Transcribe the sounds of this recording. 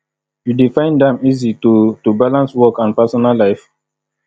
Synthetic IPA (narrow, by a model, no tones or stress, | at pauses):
judifãɪ̃ndɛ̃mizitutubalãnswɔkãnpɛsɔnalːaɪf